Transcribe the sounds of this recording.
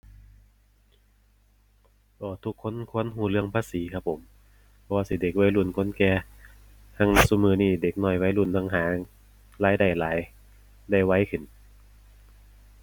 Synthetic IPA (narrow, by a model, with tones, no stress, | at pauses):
ʔɔː˧˩t̪ʰu˧˩kʰːo˧˥˨nkʰo˧˥˨nɦuː˧˩lɯ˧˨əŋpʰaː˧˥˨siː˨˦kʰa˧˩p̚ʰːo˨˦m | pʰɔ˧waː˧si˧˩de˨˩k̚waː˧˥˩jlu˧˩˨nkʰo˧˥˨nkɛː˧ | t̪ʰa˧˥˨ŋ˧su˧˩mɯː˧˩niː˧˩de˨˩k̚nɔː˧˩˨jwa˧˥jlu˧˩˨nt̪ʰa˧ŋɦaː˨˦ | laː˨˥˩jda˧˩jlaː˨˦j | da˧˩jwa˧˥jkʰɯ˧˩˨n